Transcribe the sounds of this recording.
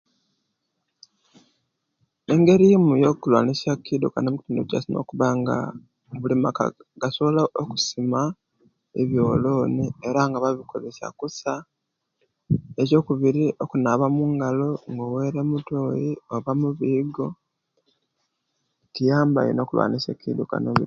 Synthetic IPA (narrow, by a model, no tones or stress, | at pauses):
e̞ŋɡe̞ɾimujo̞kulwa̰ːnisjakːidokanomuki̥tuːndoca̰sino̞̰ːkuβaŋɡa̰ | βulimaka̰ɡ̥asoβolaoku̥sima | ḛβjo̞ːlo̞ːnie̞ɾaŋɡaβaβikʰoβe̞sa̰kusa | eco̞ːkuβiɾiʔo̞kunaβamuːŋɡalo̞ŋɡowe̞ɾemutoːjio̞βamuβiːɡo̞ | tijaːmba̰jḭno̞ːkulwa̰ːnisḛkḭduka̰noi